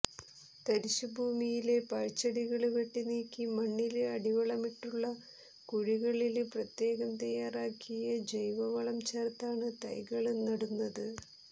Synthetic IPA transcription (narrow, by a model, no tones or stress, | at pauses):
t̪ɐɾiɕubʱuːmijile̞pɐɻt͡ɕːɐɽiɣɐɭʋeʈːiniːkːimɐɳːilɐɽiʋɐɭɐmiʈːuɭːɐ | kuɻiɣɐɭilprɐt̪je̞ːɣɐmt̪ɐjːaːraːkʰːijɐd͡ʑɐjʋɐʋɐɭɐmt͡ɕɐrt̪ːaːɳɨt̪ɐ̰jɣɐɭnɐɽunːɐðɨ